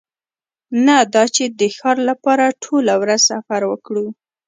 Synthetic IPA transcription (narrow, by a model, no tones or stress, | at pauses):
nad̪ɑt͡ʃed̪əxɑɾlapɑɾaʈʰolawɾaz̥safaɾwəkɽu